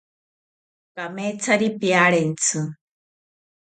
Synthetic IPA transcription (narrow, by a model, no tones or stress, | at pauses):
kamet͡sʰaɾipiaɽent͡sʰɨ